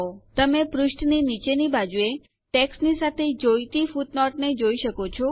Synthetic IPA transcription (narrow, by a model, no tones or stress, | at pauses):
ot̪əmepɾʊʃʈninit͡ʃenibad͡ʒue | ʈeksnisat̪ʰed͡ʒojt̪ifuʈnɔʈned͡ʒoiʃəkot͡ʃʰɔ